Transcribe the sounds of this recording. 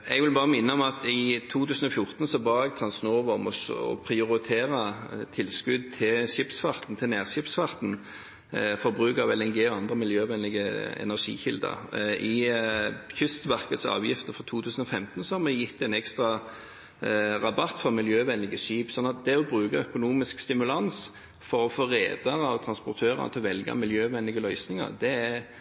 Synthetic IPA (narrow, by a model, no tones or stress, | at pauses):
ɛɡʋɪlbɑːʁəmɪnːəɔmɑt̪ɪt̪ʰuːt̪ʰʉːsən̩ɔfjʊʁt̪nsɔbɑːɛɡ̚t̪ʰɾɑnsnoːʋɔʁmɔsɔ̰pʰɾɪʊʁɪt̪ʰeːʁət̪ʰɪlskʉd̪̚t̪ʰɪlʂɪpsfɑʁt̪n̩t̪ʰɪlnæːʁɕɪpsfɑʁt̪n̩ | fɔʁbʁʉːkɑʋɛlɛnɡeːɔɑnd̪ʁəmɪljøːʋɛnlɪɡəɛ̰næʁʂḭːçɪ̰ld̪ə̰ɾʔɪ | çʏst̪ʋæʁkət̪sɑ̰ːʋjɪft̪əfʁɔt̪ʰuːt̪ʰʉːsn̩ɔfɛmt̪n̩sɔhɑmɛjɪt̪ːɛnɛkst̪ʁɑ | ʁɑbɑt̪ːfɔʁmɪljøːʋɛnlɪɡəʂiːpsɔnːɑt̪̚d̪ɛɔbʁʉːkɑœkʊnuːmɪskst̪ɪmʉlɑns | fɔʁɔfoːʁḛːd̪ɑʁɑɔt̪ʰʁɑnspʊʁt̪ʰøːʁɑ̰nət̪ʰɪlɔʋɛlɡɑ̰mɪljøːʋɛnlɪɡəlœʏsnɪŋɑ̰ʁd̪ɛæ